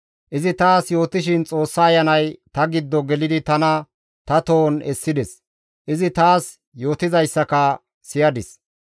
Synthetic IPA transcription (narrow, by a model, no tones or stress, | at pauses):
ʔɪzɪt̪aːsjo̞ːt̪ɪʃɪnt͡sʼo̞ːsːɐːjɐnɐjt̪ɐɡɪd̪ːɔɡɛlɪd̪ɪt̪ɐnɐ | t̪ɐt̪o̞ːnɛsːɪd̪ɛs | ʔɪzɪt̪aːs | jo̞ːt̪ɪzɐjsːɐkɐ | sɪjɐd̪ɪs